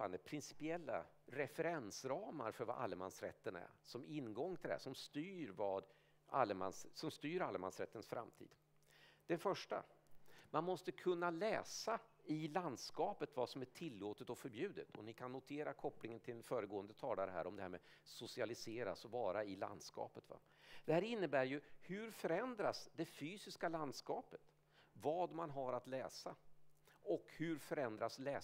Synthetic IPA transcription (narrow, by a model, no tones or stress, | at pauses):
pːand̪əpʰɾɪnsɪ̥pɪɛlːa̰ | ɾɛfɛɾɛnsɾɑːma̰ɾfœɾva̰ʔa̰lːəmansɾɛ̰t̪ːənæ̰ɾsɔmɪnːɡɔŋːt̪ʰɪlæ̰ʂɔmst̪yːɾvɑːd̪ | alːəmanssɔmst̪yːɾalːma̰nsɾɛt̪ːənsfɾʔa̰mt̪ʰḭːd̪̥ | d̪̥ɛnfœʂʈa̰manmɔst̪əkʰɵnːalɛːsa | ɪland̪skɑːpət̪vasɔmæʈʰɪlːoːt̪ət̪ɔfœɾbjʉ̟ːd̪ɪt̪ʰɔ̰nɪkʰanːʊt̪ʰeːɾakʰɔpːlɪŋənt̪ʰɪlɛnfœːɾəɡoːənd̪ət̪ʰɑːlaɾəɦæ̰ːɾɔmd̪ɛhæ̰ːɾmɛ̰ | sʊsɪalɪseːɾa̰sɔvɑːɾaɪla̰nd̪skɑ̰ːpət̪va̰ | d̪̥ɛhæːɾɪnːəbæːɾjɵhɵɾfœɾɛnd̪ɾasd̪ɛfyːsɪskaland̪skɑːpə̥t̪ | vɑːd̪manɦaɾat̪lɛːsa | ɔkhɵɾfœɾɛnd̪ɾaslɛː